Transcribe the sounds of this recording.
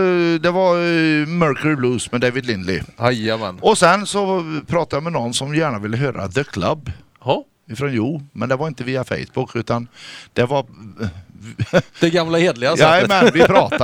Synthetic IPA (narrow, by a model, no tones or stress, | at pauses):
d̪ɛvaɾmœɾkəɾɪbluːsmɛd̪eɪvɪd̪lɪnlɪ̰hajamɛ̰nɔsɛnsɔpʰɾɑːt̪ajamɛnɔnːsɔmjæːɳavɪlːəɦøːɾa̰ðəkʰla̰bː | h | ɪfɾɔnjuːmɛnd̪ɛvaɾɪnt̪əviːafɛ̰ɪsbʊkʰːʉ̟ːt̪and̪̥ɛvaɾ | d̪ɛɡamlaheːd̪lɪasamɛnvɪpʰɾɑːt̪a